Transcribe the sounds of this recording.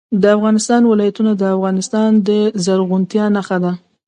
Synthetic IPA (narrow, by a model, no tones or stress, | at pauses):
d̪əafɣɑnɪst̪ɑnwɪlɑjat̪unad̪əafɣɑnɪst̪ɑnd̪əzaɾɣʊnt̪jɑnaxad̪a